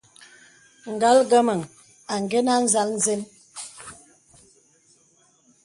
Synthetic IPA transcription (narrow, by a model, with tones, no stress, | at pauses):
ŋ̩˨ɡa˦lɡə˦mə˨ŋ | a˨ŋ˨ɡe˦na˦n̩˦za˦ln̩˦ze˦n